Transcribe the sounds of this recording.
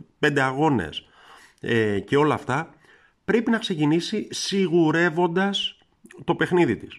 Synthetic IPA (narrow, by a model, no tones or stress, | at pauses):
pe̞nd̪e̞ɐɣo̞ne̞̰s | ece̞o̞lɐːft̪ɐ | pɾe̞pinɐkse̞cinisisiɣuɾe̞vo̞nd̪ɐs | t̪o̞pe̞xniðit̪is